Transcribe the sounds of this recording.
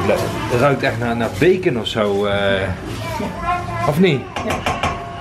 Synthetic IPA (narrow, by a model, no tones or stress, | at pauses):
blɛtərœɥk̚tɛχtnaːnaːbejkənɔfsow | ɔfni